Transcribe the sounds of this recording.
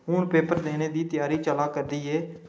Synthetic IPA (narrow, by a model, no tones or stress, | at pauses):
ũːnpeːpəɾd̪eːneːd̪iːt̪ɪjaːɾiːt͡ʃəlaːkəɾd̪iːeː